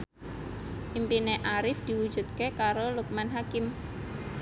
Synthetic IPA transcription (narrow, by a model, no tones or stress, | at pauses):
ʔimpineʔaɾɪfd̪̥i̤wud̥d͡ʒ̥ṳt̪̚kekaɾoluk̚manɦakɪm